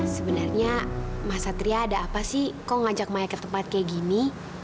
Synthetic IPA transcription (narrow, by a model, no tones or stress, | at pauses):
səbənarɲamasat̪ɾiaːdaːpasɪhkoŋad͡ʒak̚majakət̪əmpat̪̚kajaɡini